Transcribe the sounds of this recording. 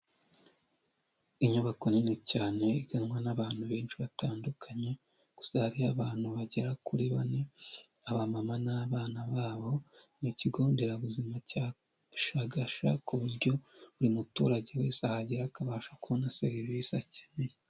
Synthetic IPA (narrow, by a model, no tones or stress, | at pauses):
iɲuβako̞ninecaːne̞iɡanŋwanaβaːn̥huβeːnt͡ʃiβataːndukʰaɲe̞ | ɡ̥u̥sahaɾiaβaːn̥huβaɟeɾakuɾiβane̞ | aβamamanaβaːnaβaːβo̞ | niciɡo̞ːndeɾaβuzimaca | ʃaɡaʃa̰kuβuɾɟo̞uɾimutṵːɾaɟe̞we̞ːsahaɟeɾakaβaːʃakuβonaseɾivisaci̥ne